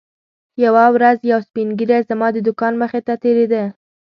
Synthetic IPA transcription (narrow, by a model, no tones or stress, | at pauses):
jawawɾazjawspinɡiɾazamɑd̪əd̪ʊkɑnməxet̪at̪eɾed̪ə